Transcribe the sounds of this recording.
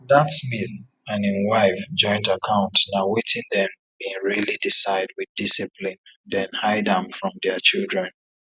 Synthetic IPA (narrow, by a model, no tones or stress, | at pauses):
ðatsmiθ | ãnĩnwaɪfd͡ʒɔ̃ɪ̃ntakʰãʊ̃ntnawetʰɪ̃ndɛ̃m | bĩŋɹilidisaɪd̚wɪðdisiplĩn | dɛ̃nhaɪdə̃mfɹɔ̃mdɛt͡ʃilˠdɹɛ̃n